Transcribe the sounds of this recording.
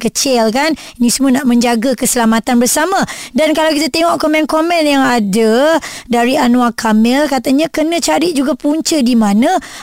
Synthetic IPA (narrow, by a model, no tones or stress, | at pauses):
kət͡ʃɪlkan | inĩsəmuanaʔmə̃ɲd͡ʒaɡakəsəlamat̪anbərsamãdankalawkit̪at̪eŋɔʔkomɛ̃nkomɛ̃njaŋadadaɾianũakʰamɛlkat̪aɲãkənə̃t͡ʃaɾɪt̪̚d͡ʒuɡapuɲt͡ʃədimãnã